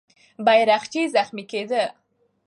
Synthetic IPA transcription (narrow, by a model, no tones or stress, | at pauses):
bajɾaxt͡ʃizaxmiked̪ə